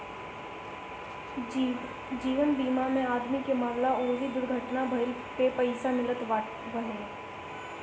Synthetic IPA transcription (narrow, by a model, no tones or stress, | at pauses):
d͡ʒiːʋənbiːmamẽaːd̪mikemaːmlaoːʋid̪ʊɾɡʱəʈnabʱɐl | pepɐɪsamɪlət̪ | bəɦe